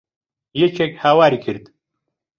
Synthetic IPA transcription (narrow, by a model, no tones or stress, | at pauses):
jet͡ʃʰekhaːwaːɾikʰɨɾd̪